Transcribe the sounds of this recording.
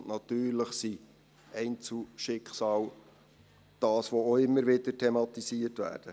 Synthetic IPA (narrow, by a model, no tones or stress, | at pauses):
nɑt̪yːrləχsi | ɛɪnt͡suʃɪkχsɑːl | d̥ɑːsʋooɪmːəɾʋɪdətʰemɑt̪isiətʋæ̰ːɾd̥ə